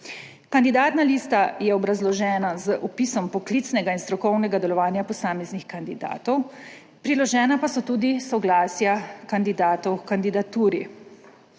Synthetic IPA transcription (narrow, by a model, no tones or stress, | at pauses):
kand̪id̪aːt̪naliːst̪ajɛɔbɾazlɔʒɛːnazəʔɔpisɔmpɔklit̪snɛɡainst̪ɾɔkɔwnɛɡad̪ɛlɔʋaːnjapɔsaːmɛznixkand̪id̪a̰ːt̪ɔw | pɾilɔʒɛːnapasɔt̪uːd̪isɔɡlaːsjakand̪id̪aːt̪ɔwkand̪id̪at̪uːɾi